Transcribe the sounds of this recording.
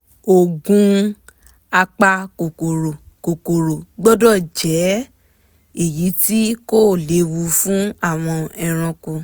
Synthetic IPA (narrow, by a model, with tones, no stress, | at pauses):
o˨ɡũ˦ | a˧k͡pa˧ko˨ko˨ɾo˨ | ko˨ko˨ɾo˨ɡ͡bɔ˦dɔ˦˨d͡ʒɛ˨˦ | e˨ji˨˦ti˦ko˦˨le˨˦wu˧fũ˦a˦˨w̃ɔ̃˧ɛ˧ɾ̃ɔ̃˧ku˧